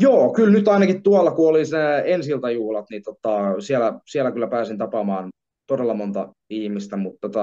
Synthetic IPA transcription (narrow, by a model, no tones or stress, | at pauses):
joːkylnyt̪ɑinɑkit̪t̪uɑlːɑkuoliseensilt̪ɑjuːhlɑt̪nit̪ot̪ːˑɑsielæsielːækylːæpæːsint̪ɑpɑmɑːn | t̪odelːɑmont̪ɑ | ihmist̪æmut̪ːot̪ɑ